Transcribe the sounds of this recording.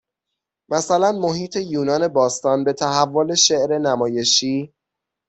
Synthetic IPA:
mæsælænmo̞hiːt̪ʰe̞juːnɒːne̞bɒːst̪ɒːnbe̞t̪ʰæɦævːole̞ʃeʔɾe̞næmɒːje̞ʃiː

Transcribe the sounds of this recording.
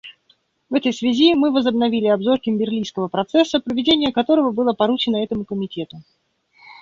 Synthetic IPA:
vɛt̪əjsvʲɪzʲimɨvəzəbnɐvʲilʲɪɐbzo̞rkʲɪmbʲɪrlʲijskəvəpɾɐt̪sɛsːəpɾəvʲɪdʲenʲɪjəkɐt̪o̞ɾəvəbɨlˠəpɐɾut͡ɕɪnəɛt̪əmʊkəmʲɪtʲe̞t̪ʊ

